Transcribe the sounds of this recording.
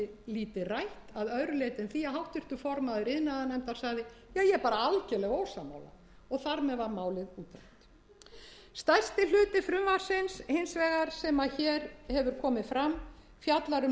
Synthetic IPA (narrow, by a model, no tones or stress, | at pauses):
ɪliːt̪ɪrajht̪aðœðɾʏleːjt̪ɪnθiːaɦawht̪ʏr̥t̪ʏfɔɾmaðʏɾɪðnaðanɛm̥t̪ḁsaɣðɪjaːjɛɾpaːɾaalcɛlɛɣoːwsama̰wla̰ | ɔɣθaɾmɛðvaɾmaːwlɪðuːt̪ɾaht̪ | st̪ajst̪ɪl̥ʏːt̪ɪfɾʏmvaɾ̥sɪnshensvɛːɣaɾ̥sɛmaçɛːɾhɛvʏɾ̥kʰɔːmɪfɾam | fjat̪laɾʏ